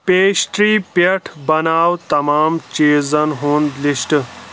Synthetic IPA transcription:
peːɕʈɾiːpɐʈʰbɐnaːwt̪ɐmaːmt͡ʃeːzɐnɦõːnd̪liʂʈɨ

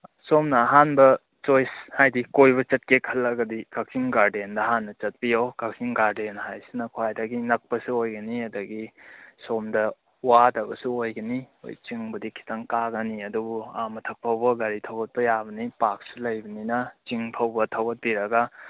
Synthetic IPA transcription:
somnɐːɦanbɐ | t͡ʃojshajdikojbɐt͡ʃɐt̚kekʰːɐlɐɡɐdikak̚siŋɡaɾdendɐɦanːɐt͡ʃɐt̚pijokaksiŋɡaɾdenhajsinɐkʰoajdaɡinɐk̚pɐsuojɡɐniɐdɐɡisomdɐ | wadɐbɐsuojɡɐnio̰jt͡ʃiŋbɐdikʰːi̥tɐŋkaɡɐniɐdubuamɐtʰɐk̚pʰɐwbɐɡaɾitʰɐwɡɐt̚pɐjabɐnipak̚sulɐjbɐninɐt͡ʃiŋpʰɐwbɐtʰɐwɡɐt̚biɾɐɡɐ

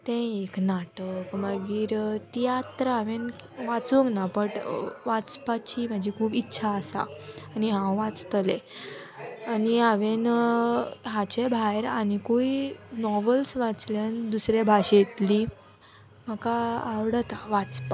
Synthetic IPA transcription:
t̪ɛ̃eknaʈəkməɡiːɾt̪ijat̪ɾəaʋen | ʋat͡suŋɡnapəʈʋat͡spat͡ɕiːm̤ad͡ʑʱikʰuːbitːɕʰaəsa̰ːniɦãwʋat͡st̪əlɛ̃ | aniaʋen | ɦãt͡ɕebʱajɾanikoinɔʋəlsʋat͡sljand̪usɾebʱaɕet̪li | m̤əkaːʋɽət̪aʋat͡spa

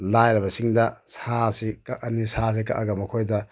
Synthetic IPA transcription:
lajɾɐbɐsiŋdɐsasikaʔɐnisas̬ika̰ʔaɡɐmɐkʰojdɐ

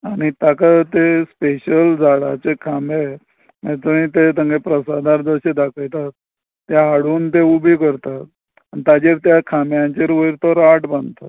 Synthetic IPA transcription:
aɽ̃it̪akat̪espeɕəld͡zaɽat͡sekʰame | mɛt̪əñit̪et̪ə̃ŋɡepɾəsad̪aɾd͡zəɕed̪akʰəjt̪at̪ː | jaɦaɽuːnt̪eubikəɾt̪at̪̚ | anit̪ad͡ʑeɾt̪jakʰamjaɲt͡ɕeɾʋəiɾt̪əɾaʈbãnd̪t̪at̪

